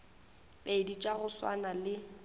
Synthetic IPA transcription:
peɪdit͡ʃʼaɣʊswa̰nalɪ

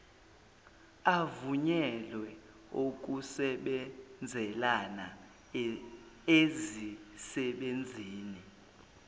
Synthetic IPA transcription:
avuɲɛlwɛ | ok̬ʼusɛɓɛnd͡zʱɛlana | ezisɛɓend͡zʱiːni

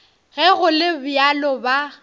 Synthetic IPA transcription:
ɣɛɣʊlɪbʊjalɔba

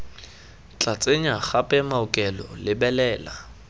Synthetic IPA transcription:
t͡ɬʼat͡sʼeɲaχapʼɛmaʊkʼɛlɔ̰lɪbɛlɛːla

